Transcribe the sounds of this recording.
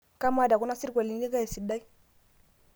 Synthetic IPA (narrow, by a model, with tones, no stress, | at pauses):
ka˦ma˦˨da˨ku˦na˦si˦ɾɡʷa˨li˨˦ni˦ka˦ja˨si˨da˦i˦